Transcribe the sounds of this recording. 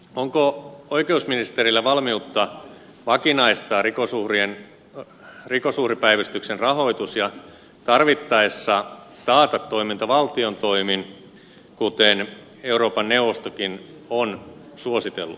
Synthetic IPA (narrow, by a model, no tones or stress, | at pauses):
oŋkooikeusminist̪erilːæʋɑlmiut̪ːɑ | ʋɑkinɑist̪ɑːrikosuhrien | rikosuhripæiʋæst̪yksenrɑɦo̞it̪usjɑ | t̪ɑrʋit̪ːɑesːɑ | t̪ɑːt̪ɑt̪ːo̞imint̪ɑʋɑlt̪iont̪oimin | kut̪en | e̞uɾoːpɑnːeuʋost̪okin | on | suosit̪ḛlːṵ